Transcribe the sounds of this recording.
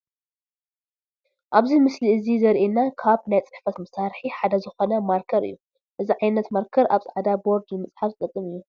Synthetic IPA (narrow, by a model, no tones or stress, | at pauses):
ʔaβzimɨsliɨzizɐɾʔenːakʰaβnajt͡sʼɨħfɐt̪mɐsaɾħiħad̪azɨxo̞nɐmaɾkʰɐɾɨ̰jːu | ʔɨziʕajnɐt̪maɾkʰɐɾʔaβsʼaʕad̪aboɾd̪nɨmɨt͡sʼħaɾt̪ʼɨkʼːɨmɨjːu